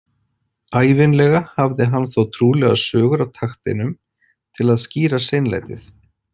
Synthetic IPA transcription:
aːjvɪnlɛɣahavðɪɦanːθowt̪ʰɾuːlɛɣa̰sœːɣʏɾawt̪ʰaxt̪ɪ̰nʏm | t̪ʰɪlaðsciːɾasejnla̰jt̪ɪθ

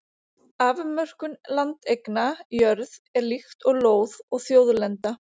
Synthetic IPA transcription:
aːvʏmœr̥kʏnlant̪ejknajœɾðɛɾlixt̪ɔɣloːwðɔɣθjoːwðlɛnt̪a

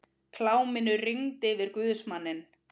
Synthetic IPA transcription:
kʰlaːwmɪnʏriŋt̪ɪvɪɾkvʏːðsmanːɪn

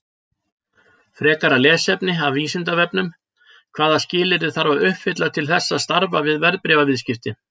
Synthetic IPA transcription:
fɾɛːkaɾalɛːsɛpnɪaviːsɪnt̪avɛpnʏm | kʰv̥aːðascɪːlɪɾɪ̥θaɾvaʏhpfɪt̪lat̪ʰɪlθɛsːaðst̪aɾvavɪðvɛɾðpɾɛvavɪðscɪft̪ɪ

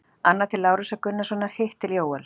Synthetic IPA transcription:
anːat̪ʰɪlːaːwɾʏsakʏnːasɔːnaɾ̥heht̪ːɪljoːwɛl

